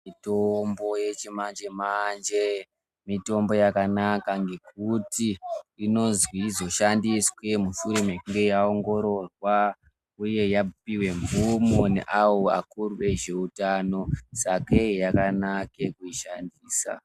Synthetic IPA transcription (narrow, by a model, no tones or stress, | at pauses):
mitombo̞jet͡ʃimand͡ʒe̞mand͡ʒe | mito̞mbo̞jakanakaŋɡe̞kutiino̞zwizo̞ʃandiswe̞muʃuɾemekuŋɡe̞jao̞ŋɡo̞ɾo̞rwa | uje̞japiwe̞ɱvumonḛʔawoa̰kurue̞ʒe̞utano̞sake̞jakanakekuiʃandiːsa̰